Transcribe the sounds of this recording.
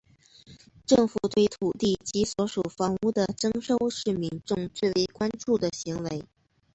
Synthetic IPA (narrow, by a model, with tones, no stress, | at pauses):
ʈ͡ʂɤ˥˩ŋfu˨˩t̪we˥˩ɪt̪ʰu˨˩t̪i˥˩t͡ɕi˧˥swɔ˧˥ʂu˨˩fɑ˧˥ŋu˥˩d̪ə˩ʈ͡ʂɤ˥ŋʂo˥ʊʂɻ̩˥˩mi˧˥ŋʈ͡ʂʊ˥˧ŋt͡swe˥˩ɪwe˧˥ɪkwa˥nʈ͡ʂu˥˩d̪ə˩ɕi˧˥ŋwe˧˥ɪ